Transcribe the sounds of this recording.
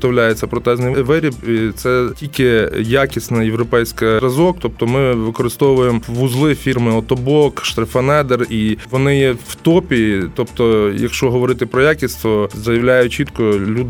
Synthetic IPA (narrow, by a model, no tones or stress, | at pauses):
t̪ɔwlʲajet͡sʲːɐpɾɔt̪ɛznɪjʋɪɾʲipit̪sɛtʲilʲkɪjakʲɪsʲnɐjeʋɾɔpɛjsʲkɐɾɐzɔk̚t̪ɔp̚t̪ɔmɪʋɪkɔɾɨst̪ɔwʋʊjemʋuzlˠɪfʲirmɪɐt̪ɔbɔkʃt̪ɾɐfɐnɛd̪eriʋɔnɪjɛwt̪ɔpʲit̪ɔpt̪ɔjɐ̰kʃt͡ʃɔɦɔʋɔɾɪt̪ɪpɾɔjakʲɪsʲt̪ɔzɐjɐwlʲajʊt͡ʃit̪kɔlʲud̪